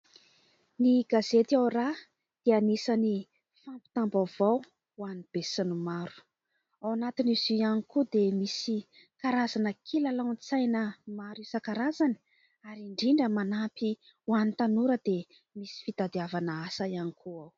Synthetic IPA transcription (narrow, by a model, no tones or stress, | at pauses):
niɡ̥azet̪awra | d̪̥eanisani | fampi̥t̪ambavaw | wanib̥esinumaɾu̥ | awanat̪iniziianikud̪emisi | kaɾazanəkʰilalawnt͡sajnəmaɾisəkaɾazani̥ | aɾiɳɖ͡ʐiɳɖ͡ʐəmanapi | wanit̪anuɾəd̪e | misi̥fid̪̥ad̪iavanəasaianikʰuaw